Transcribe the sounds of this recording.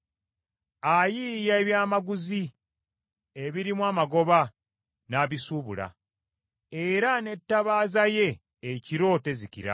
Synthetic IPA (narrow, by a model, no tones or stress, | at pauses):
ajijaeβjaːmaɡuzi | eβiɾimwaːmaɡo̞βa | naːβisuːβṵla̰ | e̞ɾane̞tːaβaːzaje̞ː | ciɾo̞ːte̞zikḭɾa̰